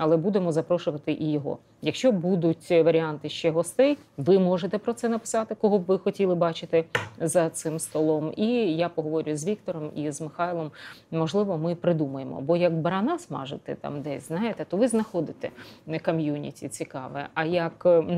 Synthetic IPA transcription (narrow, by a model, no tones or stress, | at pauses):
ɐlˠɛbud̪emɔzɐpɾɔʃʊʋɐt̪ɪʔijɔɦɔ̰ | jɐkʃt͡ʃɔbud̪ʊtʲʋɐɾʲɪɑnt̪ɪʃt͡ʃɛɦɔst̪ɛjʋɪmɔʒet̪ɛpɾɔt̪sɛnɐpɪ̥sɑt̪ɪkɔɦɔʋɪxɔtʲilˠɪbɑt͡ʃɪt̪ɪzɐt̪sɪmst̪ɔlˠɔmijapɔɦɔʋɔɾʲʊjʊzʋʲikt̪ɔɾɔmizmɪxɑjlˠɔmmɔʒlˠɪʋɔmɪpɾɪd̪umɐjemɔ̰bɔjɐkbɐɾɐnɑsmɑ̰ʒɪt̪ɛ̰t̪ɑ̰md̪ɛsʲznɑjɪt̪ɛt̪ɔʋɪznɐxɔd̪ɪt̪ɛ̰ɐkɔmjunʲḭtʲḭt͡sʲikɑʋɛ̰ɐjɐk